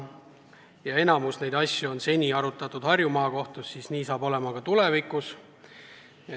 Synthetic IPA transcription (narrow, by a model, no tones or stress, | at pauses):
jɑe̞nɑmusne̞jd̪ɑsʲjuo̞nse̞nʲiɑɾut̪ːˑɑt̪ːˑud̪̥hɑrjumɑːko̞ht̪usːiːsniːsɑːb̥o̞le̞mɑkɑt̪ule̞vikːˑus | e